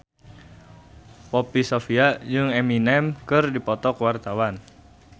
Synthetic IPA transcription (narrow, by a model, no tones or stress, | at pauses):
pɔpisofiad͡ʒɨŋɛminɛmkɨrdipɔt̪ɔkwart̪awan